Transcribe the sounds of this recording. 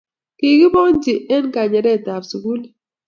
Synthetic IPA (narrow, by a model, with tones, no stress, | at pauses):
ki˨ki˦bɔ˦ŋn˦d͡ʒi˨ɛ˦n˦ka˨ɲɛ˨ɾɛ˦˨ta˨psu˨ɡu˦l